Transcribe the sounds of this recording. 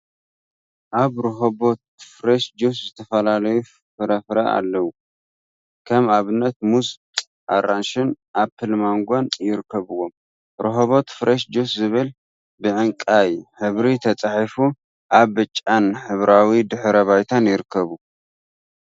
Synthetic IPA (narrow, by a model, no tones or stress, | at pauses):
ʔaβɾɨɦobot̪̚fɾeʃd͡ʒuszɨt̪ʰɐfɐlalɐju | fɨɾɐfɾɐa̰lːɐwu | kʰɐmaβɨnːɐt̪̚muskʼ | ʔaɾanʃɪnʔaβfʰɨlmaŋɡʷanjɪɾɨkʰːɐβɨwo̞m | ɾɨɦoβo̞t̪fɾɐʃd͡ʒuszɨβɨl | bɨʕɨŋkʼajħɨβɾit̪ʰɐt͡sʼaħifu | ʔaβbɨt͡ʃʼːanħɨβɾawid̪ɨħɾɐβajt̪ʰanjɪɾɨkʰːɐβu